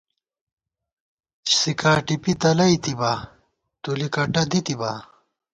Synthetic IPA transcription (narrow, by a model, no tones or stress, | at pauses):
t͡ɕsikaːʈipit̪ɐlɐit̪iba | t̪ulikɐʈɐd̪it̪ibaː